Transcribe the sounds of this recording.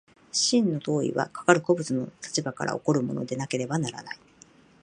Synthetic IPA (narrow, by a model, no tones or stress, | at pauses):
ɕĩnːo̞t̪o̞ːḭβa̰kḁkaɾɯ̟ko̞bɯ̟t͡sɨno̞t̪ʰḁt͡ɕibaka̰ɾʔa̰o̞̰ko̞ɾɯ̟mo̞̰no̞̰d̪e̞nake̞ɾe̞banaɾa̰nai